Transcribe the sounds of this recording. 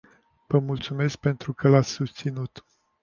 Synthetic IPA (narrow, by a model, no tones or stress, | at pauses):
v̥əmult̪sume̞sk̚pe̞nt̪ɾukəlat̪sʲsust̪sinut̪